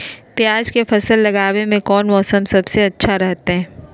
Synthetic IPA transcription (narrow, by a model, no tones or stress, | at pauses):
pjaːd͡ʒkefɐsəlːɐɡaːwemẽkɔːnmɔːsəmsɐbseɐtːʃʰaɾɛɦt̪eɦɛ̃ː